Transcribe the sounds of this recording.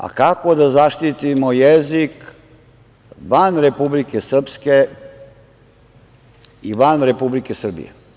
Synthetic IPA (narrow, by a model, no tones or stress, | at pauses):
a̰kakod̪azaʃt̪it̪imojezik | ʋanɾe̞publikesr̩pske | iʋanɾe̞publikesr̩bḭjḛ